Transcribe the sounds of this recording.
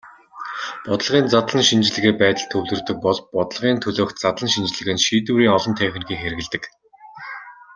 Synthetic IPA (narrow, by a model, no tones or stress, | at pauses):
pɔt̪ə̆ɮʁiːnt͡sat̪ɮə̆nʃint͡ɕɪ̆ɮɘ̆ɣeːpæːt̪ə̆ɮt̪ʰɵwt̪ɵ̆rt̪ɵ̆k̚pɔɮpɔt̪ɞ̆ɮʁiːnt̪ʰɵɮoːxt̪̚t͡sat̪əɮə̆nʃint͡ɕɪ̆ɮɘ̆ɣɘ̆nʃiːt̪uːɾiːŋɔɮɞ̆nt̪ʰæːxʲɘ̆nxiːxeɾɘ̆ɣɘ̆ɮt̪ɘ̆k